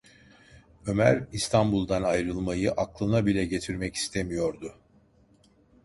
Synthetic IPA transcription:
ø̞mæɾist̪ʰanbulˠd̪anajɾɯlˠmajɯʔaklˠɯnabilʲɛɟe̞t̪ʰiɾmɛci̥st̪ʰemijo̞ɾd̪ʊ

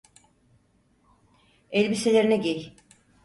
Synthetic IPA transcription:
ɛlʲbiselʲeɾinɛɟej

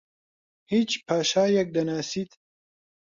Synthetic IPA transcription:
hiːt͡ʃpʰaːʃaːjɛk̚d̪ɐnaːsiːt̪

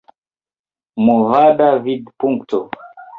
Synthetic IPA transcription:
muvadavidpuŋktɔ

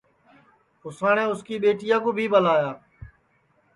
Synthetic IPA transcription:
kʊsaːɳẽːʊskiːɓeːʈɪjãːkõːbʱiːɓəlaːjaː

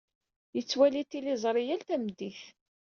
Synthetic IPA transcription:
jət͡sːwælit̪ːilɪzˤɾˤijælt̪æmd̪iθ

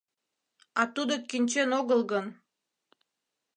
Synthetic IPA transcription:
ɑt̪ud̪okinʲt͡ɕenoɣəlɣən

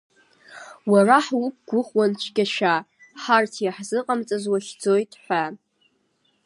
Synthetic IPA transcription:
waraħwʊp̚ʰɡ̥ʷʊχwant͡ʃʷʰɡʲaʃᶣa | ħartʰjaħzɨqʼamt͡sʼazwaχʲd͡zojtʼħʷa

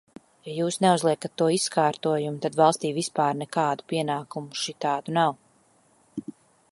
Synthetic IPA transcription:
jajuːsnɛuzlˠiɛkat̪ːuɔiskaːɾt̪uɔjumut̪ad̪vɑlˠst̪iːvispaːɾnɛkaːd̪upiɛnaːkumuʃit̪aːd̪unaw

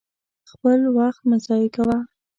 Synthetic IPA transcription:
xpəlwaxt̪̚masɑjikawa

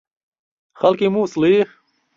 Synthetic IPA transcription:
xɐlkimuslix

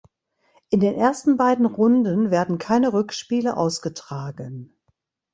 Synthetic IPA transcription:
ʔɪndeːnʔeːɐstn̩baɪdn̩ʁʊndənveːɐdn̩kʰaɪnəʁʏkʃpiːləʔa̰ʊsɡ̥ətʁ̥aːɡən

